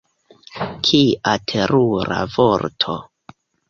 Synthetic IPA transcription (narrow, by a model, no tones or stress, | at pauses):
kʰiʔatʰe̞ɾuɾa̰voɾtʰo̞̰